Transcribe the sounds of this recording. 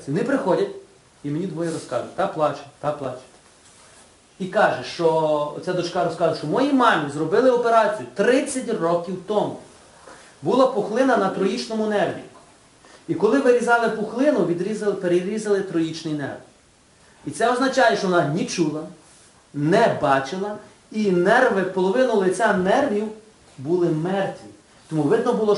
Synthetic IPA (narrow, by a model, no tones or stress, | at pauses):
ɔnɪpɾɪxɔdʲɐtʲ | imenʲid̪ʋɔjiɾɔskɑzʊt̪ɑkplˠɑt͡ʃɪ̥t̪ɑk̚plˠɑt͡ʃɪ̥t̪ | ikɑʒɛʃt͡ʃɔ̰t͡sʲad̪ɔt͡ʃkɑɾɔskɑzʊʃt͡ʃɔmɔjimɑmʲizrɔbɪlˠɪɔpeɾɑt͡sʲijʊt̪ɾɪt͡sʲːɐtʲrɔkʲiwt̪ɔmʊ̰ | bulˠɐpɔxlˠɪnɐnɐt̪ɾɔjit͡ʃnɔmʊnɛrʋʲḭ | ikɔlˠɪʋɪɾʲizɑlˠɪpɔxlˠɪnʊʋʲid̪ɾʲizpeɾeɾʲizɐlˠɪt̪ɾɔjit͡ʃnɪjnɛ̰rʋ | it̪sɛɔznɐt͡ʃɑjeɛʃt͡ʃɔʋɔnɑnʲit͡ʃulˠɐ | nɛbɑt͡ʃɪlˠɐ | inɛrʋɪpɔlˠɔʋɪnʊlˠɪt͡sʲanɛrʋʲiw | bulˠɪmɛrt̪ʲʋʲi | t̪ɔmuʋɪd̪nɔbʊlˠɔ